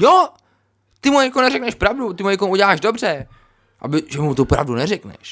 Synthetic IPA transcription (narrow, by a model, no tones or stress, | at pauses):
jo | t̪ɪmujakonɛɾɛknɛʃpɾavdut̪ɪmujɛkomʔuɟɛlaːʒdobr̝ɛ | ʔa̰bɪʒɛmut̪upɾa̰vdunɛrɛknɛ̰ʃ